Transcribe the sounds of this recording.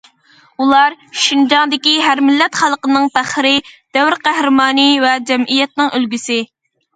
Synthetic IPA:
ulˠɑɾʃind͡ʒɑnd̪ɪkʲiɦæɾmɪlːɛt̪χɑlˠqənɨŋt̪æχəɾɪd̪̥ɛwɾqæhɾɨmɑːnivɛd͡ʒɛmʔijɛt̪̚nɨŋʔølɡʲysɪ

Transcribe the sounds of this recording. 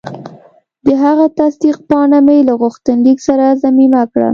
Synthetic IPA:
d̪əɦaɣat̪asd̪iqpɑnamejlaɣʊxt̪ənliksaɾazamimakɽa̰

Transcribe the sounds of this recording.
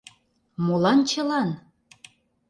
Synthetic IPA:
molɑnt͡ɕə̆lɑn

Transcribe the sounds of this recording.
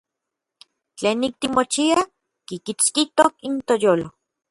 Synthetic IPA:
t͡ɬeːnːik̚t̪imot͡ʃia | kikit͡skit̪okint̪ojoːlo

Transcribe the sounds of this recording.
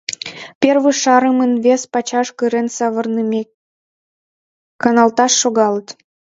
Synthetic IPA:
pʲerβəʃɑɾəmənvespɑt͡ɕɑʃkɨɾensɑβə̆rnəme | kɑnɑlt̪ɑʃːoɣɑlət̪

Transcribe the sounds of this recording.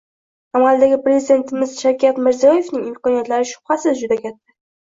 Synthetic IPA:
amald̪aɡʲɪpɾe̞zid̪e̞nt̪ʰɪmɪz̥ʃawkʲat̪mɪɾzijɒje̞fnɪŋɪmkɒnijat̪laɾɪʃʊ̥bhasɪzd͡ʒʊd̪akʲat̪ʰːa

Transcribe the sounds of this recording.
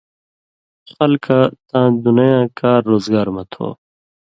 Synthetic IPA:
xɐlkat̪ãːd̪unjãːkaːɾːoːzɡaːɾmɐt̪ʰo̰ː

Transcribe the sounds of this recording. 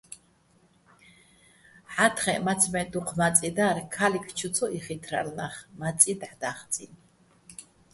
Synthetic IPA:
ħat̪χɛmat̪t͡sʰmɛd̪uqʰmat͡sʼid̪aɾkʰalikʰt͡ʃʰut̪t͡sʰɔʔiχit̪ʰɾa̰lnaχmat͡sʼid̪ʕd̪aχt͡sʼḭn

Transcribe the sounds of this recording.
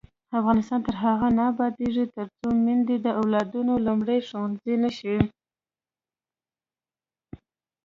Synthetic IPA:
afɣɑnɪst̪ɑnt̪əɾɦaɣanabɑd̪eʐit̪əɾt͡somind̪ed̪əʔawlɑd̪unolumɽəjʂowɑnzinaʃawi

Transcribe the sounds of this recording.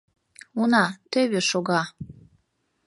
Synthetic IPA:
unɑt̪øβeʃoɣɑ

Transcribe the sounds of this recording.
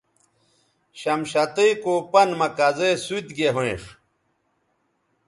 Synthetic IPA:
ɕɐmɕɐt̪ijkoːpɐnmɐkazesuit̪ɡeɦoḭ̃ʂ

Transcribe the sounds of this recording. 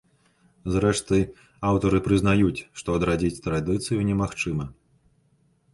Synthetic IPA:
zɾɛʂt̪ɨ | awt̪ɐɾɨpɾɨznajut͡sʲʂt̪ɔɐd̪ɾad͡zʲit͡sʲt̪ɾad̪ɨt̪sɨjunʲɛmaxt͡ʂɨmɐ

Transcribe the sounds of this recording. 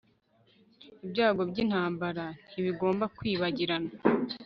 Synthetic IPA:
ibɟaːɡo̞bɟiːnhaːmbaɾan̥iβiɡo̞ːmbakwiːβaɟiɾana

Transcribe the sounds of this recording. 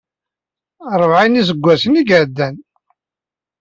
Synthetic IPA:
ɾˤəvʕinis̬əɡʷːæsəniɡəʕd̪ːæn

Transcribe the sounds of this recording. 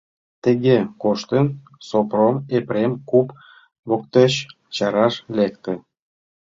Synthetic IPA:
t̪əɣekoʃt̪ən | sopromepɾemkup | βokt̪eɕ | t͡ɕɑɾɑʃlekt̪ĕ

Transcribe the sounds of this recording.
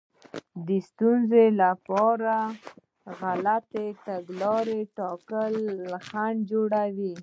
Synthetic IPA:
d̪əst̪unzelapɑɾa | ɣalat̪eʈaɡlɑɾeʈɑkəlxaɳd͡ʒoɽawi

